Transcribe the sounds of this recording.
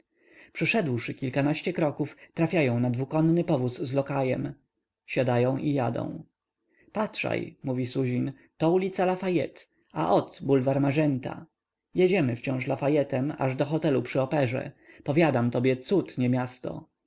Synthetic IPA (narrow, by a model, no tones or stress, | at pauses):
pʂɘʂɛd̪wʂɘkʲilkanaɕt͡ɕɛkɾɔkuft̪ɾafʲjajɔ̃w̃nad̪vukɔnːɘpɔvusːlɔkajɛ̰m | ɕad̪ajɔ̃w̃ʔijad̪ɔ̰̃w̃ | patʂa̰jmuvʲisuʑin | t̪ɔulʲit̪salafajɛ̰t̪ | aʔɔt̪bulvaɾmaʐɛnt̪a̰ | jɛd͡ʑɛmɘft͡ɕɔ̃w̃ʂlafajɛt̪ɛma̰ʐd̪ɔxɔt̪ɛlupʂɘɔpɛʐɛ̰ | pɔvʲjad̪amt̪ɔbʲjɛt̪sut̪ɲɛmʲjast̪ɔ̰